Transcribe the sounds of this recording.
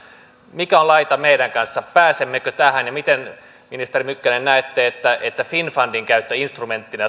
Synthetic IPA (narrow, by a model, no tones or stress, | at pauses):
mikæolɑit̪ɑmeidæŋkɑnsːɑpæːsemːekøt̪æhænjɑmit̪en | minist̪erimykːænennæːt̪ːeːet̪ːæʔet̪ːæfinfɑndiŋkæyt̪ːøinst̪rument̪ːinæ